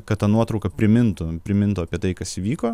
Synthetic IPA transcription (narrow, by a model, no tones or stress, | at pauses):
kɐt̪t̪ɐnuɔt̪ɾɔʊkɐpʲɾʲɪmʲɪnt̪ʊpʲɾʲɪmʲɪnt̪ʊɐpʲiɛt̪ɐɪkɐsʋʲiːkoː